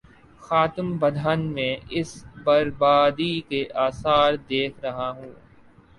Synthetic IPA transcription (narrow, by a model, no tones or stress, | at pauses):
xaːt̪əmbɐd̪ʱaːnmẽɪsbɐɾbaːd̪ikeʔaːsaːɾd̪eːkʰɾɐɦaɦũː